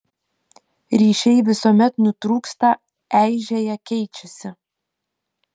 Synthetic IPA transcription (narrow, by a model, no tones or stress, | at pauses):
ɾʲiːʃʲɛɪʋʲɪsoːmʲɛt̪nʊt̪ɾuːkst̪ɐ | æˑɪʒʲejɛkʲɛɪt͡ʃʲɛsʲɪ